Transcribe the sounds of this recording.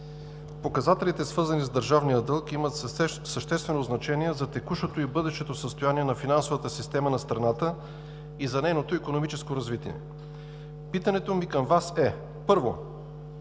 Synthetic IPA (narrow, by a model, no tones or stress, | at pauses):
pokɐzat̪ɛlit̪ɛsvɤɾzənizd̪əɾʒavnijəd̪ɤlˠkimət̪səʃt̪ɛst̪vɛnoznɐt͡ʃɛniɛzɐt̪ɛkuʃot̪oibɤd̪ɛʃt̪ɛt̪osəst̪ojaniɛnɐfinansovət̪əsist̪ɛmənɐst̪ɾɐnat̪ə | izɐnɛjnot̪oikonomit͡ʃɛskoɾɐzvit̪ḭɛ̰ | pit̪ɐnɛt̪omikəmvasɛ | pɤɾvo̰